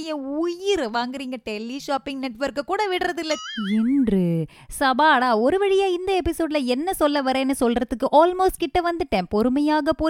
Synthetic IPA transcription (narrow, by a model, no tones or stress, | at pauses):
jɐ̃ʊjɪɾʋaːŋɡɪɾiːŋɡɐʈɛlːiʂaːpːɪŋɡnɛʈːʋɐɾkɯkːuːɽɐʋɪɽɯɾɐðɪlːɐɪndrɯ | sɐbaːɽaːɔɾɯʋɐɽɪjaːɪnd̪ɐɛpɪsoːɖlɐɛnːɐsɔlːɐʋɐɾẽːnːɯsɔlrɐðɯkːɯʔaːlmoːsʈ̚kɪʈːɐʋɐnd̪ɯʈɛmpɔɾɯmɐjaːɣɐpoː